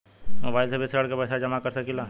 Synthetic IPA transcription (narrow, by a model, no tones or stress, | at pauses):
mobaːɪlsebʱisɾəɽkebɐsad͡ʒɐmakəɾsɐkɪla